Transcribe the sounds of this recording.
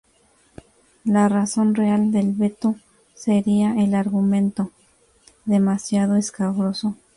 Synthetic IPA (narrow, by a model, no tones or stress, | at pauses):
laraso̞nreald̪elβe̞t̪o | se̞ɾiaʔelaɾɣumẽ̞nt̪o̞ | ðe̞masjað̞o̞eskaβɾo̞so